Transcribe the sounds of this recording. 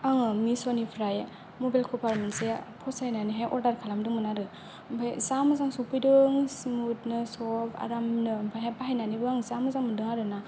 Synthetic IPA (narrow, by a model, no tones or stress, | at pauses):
aŋɯmisɔnipʰɾaj | mobalkopʰaɾmensepʰɔsajnaniɦajʔɔɾdaɾkʰalamdɯŋmɯnaɾɯ | bʱajzamɯzaŋsupɯjdɯŋsimut̚nɯsɔpʰa̰ɾamnɯbʱaɦabaɦajnanibɯaŋzamɯzaŋmɯdɯŋaɾɯna